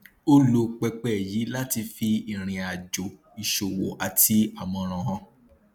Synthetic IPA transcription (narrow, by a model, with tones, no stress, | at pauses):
o˦lo˧k͡pɛ˧k͡pɛ˦˨ji˨˦la˦ti˧fi˧i˨ɾ̃ĩ˨a˨d͡ʒo˨ | i˨ʃo˨wo˨ʔa˨ti˧a˦˨mɔ̃˧ɾ̃ɔ̃˨˧hɔ̃˧